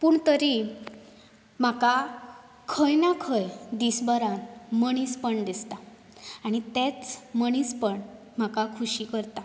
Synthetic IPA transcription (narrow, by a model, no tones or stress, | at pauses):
puːɳt̪əɾi | m̤aka | kʰəjnakʰəjd̪isbəɾãməɽ̃ispəɳd̪ist̪aː | ɽ̃it̪et͡sməɽ̃ispəɳ | m̤akakʰuɕikəɾt̪a